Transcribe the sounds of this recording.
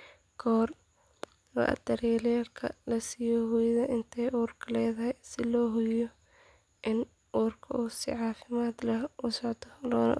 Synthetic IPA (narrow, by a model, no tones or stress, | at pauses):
kʰɔːr | lɐ̰ʔɐ̰d̪ɐɾɛːljaːlkʰɐ̰lɐsiːjɔɦʊjðɐʔɪnt̪ʰɛjʔuːrkʰɐlɛːðɐɦɛjsɪlɔːɦʊjɔ | ʔɪn | ʔuːrkʰɐuːsɪ̰ʕɑːfɪmaːd̪lɐʔʊsɔʕt̪ʰɔlɔ̰ː